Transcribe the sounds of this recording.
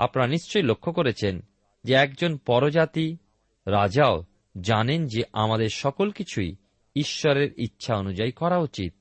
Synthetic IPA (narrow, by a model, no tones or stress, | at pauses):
a̰pnaɾaniʃt͡ɕojlokʰːokoɾet͡ɕʰen | d͡ʑeɛk̚d͡ʑonpɔɾod͡ʑat̪i | ɾad͡ʑao | d͡ʑanend͡ʑeʔamad̪eɾʃɔkolkit͡ɕʰuj | iʃːɔɾeɾitːɕʰaonud͡ʑaikɔɾaut͡ɕit̪̚